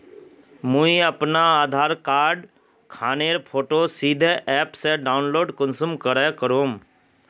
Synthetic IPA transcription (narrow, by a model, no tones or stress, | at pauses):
mũiəpnaaːd̪ʱaːɾkaːɾɖ | kʰaːneɾpʰoːʈosiːd̪ʱeʔɛːpseɖaːʊnloːɖkʊnsumkəɾɛkəɾoːm